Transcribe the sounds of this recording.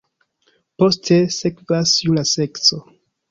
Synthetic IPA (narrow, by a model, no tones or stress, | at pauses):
po̞stʰe̞se̞kvasjulase̞kso